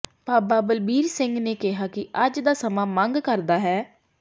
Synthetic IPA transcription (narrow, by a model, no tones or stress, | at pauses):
paːbaːbəlbiːɾsɪŋɡneːkɪɦaːkɪʔəd͡ʒd̪aːsəmãːmə̃ŋɡkəɾd̪aːɦɛː